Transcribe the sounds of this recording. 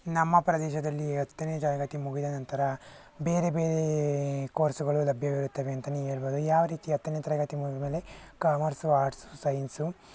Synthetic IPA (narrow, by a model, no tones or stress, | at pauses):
nɐmːɐpɾɐd̪ɛːʃɐd̪ɐlːiɐt̪ːɐneːd͡ʒ̪ɐɾɐɡɐt̪imuɡid̪ɐnɐnt̪ɐɾɐ | beːɾebeːɾekoːɾsuɡɐɭulɐbʱjɐʋiɾut̪ːɐʋeɐnt̪ɐnieːɭboːd̪ujaːʋɐɾiːt̪iɐt̪ːɐnet̪ɐɾɐɡɐt̪imuɡimeːle̞kaːmɐɾsuaːɾʈsu̥sɐjnsu